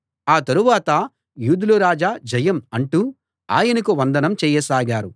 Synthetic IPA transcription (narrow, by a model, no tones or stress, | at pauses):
aːt̪ɐɾuʋaːt̪ɐ | juːd̪uluɾaːd͡ʒaːd͡ʒɐjɐmɐɳʈu | a̰ːjɐnɐkuʋɐnd̪ɐnɐmt͡ʃɛːjɐsaːɡaːɾu